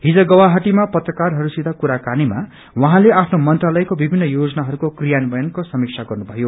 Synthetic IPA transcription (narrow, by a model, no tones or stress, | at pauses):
ɦid͡zʌɡʌwaɦaʈimapʌt̪rʌkarɦʌɾusid̪ʱakuɾakanima | wʌɦãleapʰnomʌnt̪ralʌjkobibʱinːʌjod͡zʌnaɦʌɾukokrijanbʌjʌnkosʌmik̚sʰaɡʌrnubʱʌjo